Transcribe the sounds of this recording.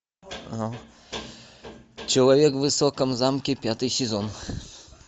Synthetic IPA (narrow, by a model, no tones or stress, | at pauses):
nɔ | t͡ʃɔwɛvʲjɛɡvɘsɔkamzamkʲipʲjat̪ɨsʲizɔn